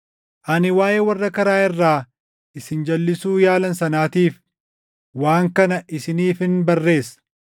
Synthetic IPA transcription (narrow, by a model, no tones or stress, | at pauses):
ʔɐnɪwaːʔeːwɐrːɐkɐɾaːɪrːaː | ɪsɪnd͡ʒɐlːɪsuːjaːlɐnsɐnaːt̪iːf | waːŋkɐnɐʔɪsɪniːfɪnbɐrːe̞ːsɐ̥